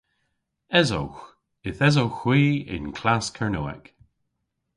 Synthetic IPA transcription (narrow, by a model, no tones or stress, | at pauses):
ɛzo̰wx | ɪθɛzowxwiːɪ̰nkʰlaskʰəɹnoːɛ̰k